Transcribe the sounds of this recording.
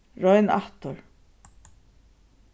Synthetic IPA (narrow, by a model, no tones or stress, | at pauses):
ɹɔjna̰ht̪ʊɹ